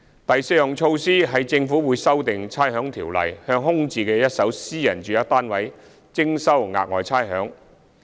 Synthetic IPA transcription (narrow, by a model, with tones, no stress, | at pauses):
t̪ɐ˨jse˧jjʊ˨ŋt͡ʃʰo˧wsiː˥ɦɐ˨jt͡sɪ˧ŋfuː˨˥wuː˨˧jsɐ˥wt̪ɪ˨ŋt͡sʰaː˥jɦœː˨˥ŋt̪ʰiː˨˩wlɐ̰˨˩jhœː˧ŋɦʊ˥ŋt͡siː˨˧kɛː˧jɐ˥t̚sɐ˨˥wsiː˥jɐ̰˨˩nt͡ʃyː˨jɐ˥k̚t̪aː˥nwɐ˨˥j | t͡sɪ˥ŋsɐ˥wŋa̰ː˧k̚ŋɔ̰ː˨jt͡sʰaː˥jɦœː˨˥ŋ